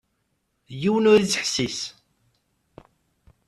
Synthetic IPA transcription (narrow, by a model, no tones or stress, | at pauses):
jiwənʊɾit͡sːəħsis